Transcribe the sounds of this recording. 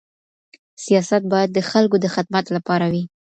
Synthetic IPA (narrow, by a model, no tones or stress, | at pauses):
sijɑsat̪̚bɑjad̪ːəxalkod̪əxɪd̪̚mat̪lapɑɾawi